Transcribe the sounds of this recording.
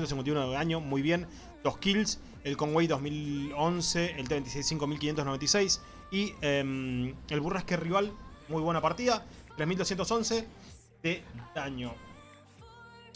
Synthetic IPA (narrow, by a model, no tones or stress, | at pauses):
nt̪siŋkenajunoðeaɲo̞mujβ̞jen | d̪̥oskils | elkoŋwejðoɦmilonseelt̪̬eenisejsːiŋkomilkinjent̪onoent̪isejs | iemelβurahkeriβalmujβwe̞napaɾt̪iðat̪ɾesmild̪osjent̪oso̞nse | ðed̪aɲo